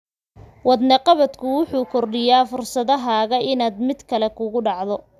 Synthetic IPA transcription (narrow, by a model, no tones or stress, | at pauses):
wɑd̪nɐqɑβɐd̪kʰʊwʊħuːkʰɔrɖɪjaːfʊrsɐðɐɦaːɣɐʔɪnaːd̪mɪd̪kʰɐlɛkʰʊɣʊɖɑʕðɔ